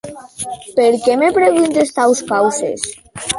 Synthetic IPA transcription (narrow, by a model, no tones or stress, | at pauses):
peɾkemepɾeɣunt̪est̪awskawsḛs